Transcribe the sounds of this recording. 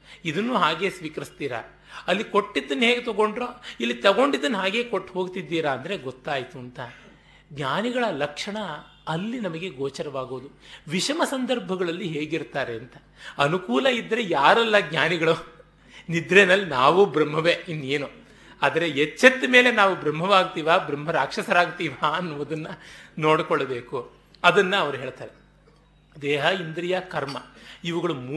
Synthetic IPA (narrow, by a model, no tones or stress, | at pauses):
id̪ɐnːuːɦaːɡe̞ːsʋiːkɐɾist̪iːɾɐ̰ | ɐlːiko̞ʈːid̪ːɐnːɦeːɡet̪ɐɡo̞ɳɖɾoːilːit̪ɐɡo̞ɳɖid̪ːɐnːɦaːɡe̞ːkoʈːɦo̞ːɡt̪id̪ːiːɾɐːnd̪ɐɾe̞ɡot̪ːaːjt̪uɐnt̪ɐ | ɡɲaːniɡɐɭɐlɐkʂɐɳɐ | ɐlːinɐmɐɡe̞ɡoːt͡ʃɐɾɐʋaːɡoːd̪uʋiʂɐmɐsɐnd̪ɐɾbʱɐɡɐɭɐlːiɦe̞ːɡiɾt̪aːɾeɐnt̪ɐ̥ | ɐnukuːlɐid̪ːɐɾe̞jaːɾɐlːɐɡɲaːniɡɐɭu | nid̪ɾenɐlːinaːʋubɾɐm̤ːɐʋeːinːeːnu | aːd̪ɐɾeet͡ʃːɐt̪ːme̞ːle̞naːʋubɾɐmːɐʋaːɡt̪iːʋaːbɾɐmɦɐɾaːkʂɐsɐɾaːɡt̪iːʋaɐnːuʋɐd̪ɐnːɐno̞ːɽkoɭːɐbe̞ːku | ɐd̪ɐnːɐɐʋɐɾuɦe̞ːɭt̪aːɾe | d̪eːɦɐind̪ɾijɐkɐɾmɐiʋɐɡɐɭumː